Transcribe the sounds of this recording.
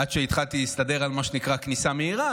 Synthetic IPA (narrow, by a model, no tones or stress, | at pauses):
adʃeit̪χalt̪iist̪ade̞ʁalmaʃenikʁaknisameiʁa